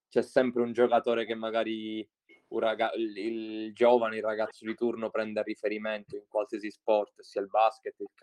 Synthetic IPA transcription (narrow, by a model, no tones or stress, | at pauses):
t͡ʃɛsːɛmpɾeund͡ʒokat̪oːɾekemːaɡaːɾi | uraɡaild͡ʒɔːvaneilrːaɡat̪sːod̪it̪urnopɾɛnd̪erifeɾiment̪oiŋkwalsiasispɔrt̪siːailbasket̪ːilk